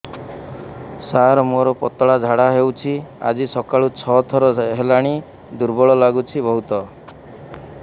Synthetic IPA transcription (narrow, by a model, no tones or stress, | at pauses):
saɾmoɾɔpɔ̰t̪ɔɭad͡ʒʱaɽaɦewt͡ʃʰia̰d͡ʒisɔkaɭut͡ʃʰɔt̪ʰɔɾɔɦelaɽ̃i | d̪uɾbɔɭɔlaɡut͡ʃʰibɔɦut̪ɔ